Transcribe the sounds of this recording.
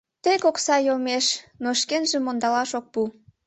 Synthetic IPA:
t̪ekoksɑjomeʃnoʃkenʒemːond̪ɑlɑʃok̚pu

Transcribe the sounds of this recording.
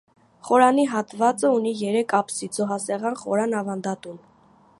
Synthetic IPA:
χɔɾɑniɦɑt̪vɑt͡səunijɛɾɛkʰɑpsid͡zɔɦɑsɛʁɑnχɔ̰ɾɑnɑvɑnd̪ɑt̪un

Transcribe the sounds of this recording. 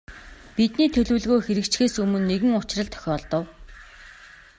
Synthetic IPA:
pit̪niːt̪ʰɵɮŭːɮɣoːxeɾɘ̆kt͡ɕxeːsɵmɵ̆nːeɣɘ̆ŋʊt͡ɕrə̆ɮt̪ʰœ̥xʲɔːɮt̪ə̆w

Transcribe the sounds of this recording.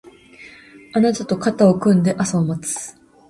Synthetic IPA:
anat̪at̪o̞kat̪aokɯ̟̃nd̪e̞ʔasamat͡sɨ̥

